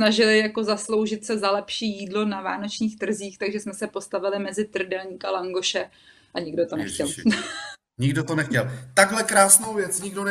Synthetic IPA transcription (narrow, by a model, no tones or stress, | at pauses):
naʒɪlɪjako̞zaslo̞wʒɪt̪sɛzalɛpʃiːjiːdlo̞nava̰ːno̞t͡ʃɲiːxt̪r̩ziːxt̪aɡʒɛsmɛsɛpo̞st̪avɪlɪmɛzɪt̪r̩dɛlɲiːkalaŋɡo̞ʃɛ | ʔaɲɪɡdot̪o̞nɛxcɛl | ɲɪɡdot̪onɛxcɛlt̪aɡɦlɛkɾaːsnowvjɛt͡sɲɪɡdon